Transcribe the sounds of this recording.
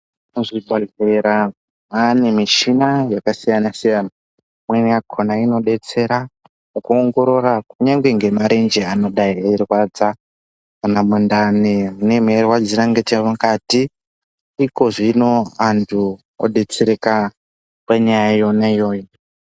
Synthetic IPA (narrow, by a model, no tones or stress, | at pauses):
uzibʱaɮeɾa | ane̞miʃinajakasijanasijana | mweakʰonaino̞ɗe̞t͡se̞ɾa | mukuoŋɡo̞ɾo̞rakuɲaŋɡwe̞ŋɡe̞maɾend͡ʒeano̞ɗaierwad͡za | anamundaneune̞mwerwad͡ziɾaŋɡetemukatiː | ko̞ʐino̞antʰu | o̰ɗe̞t͡se̞ɾeka | paɲajajo̞naijo̞ːjo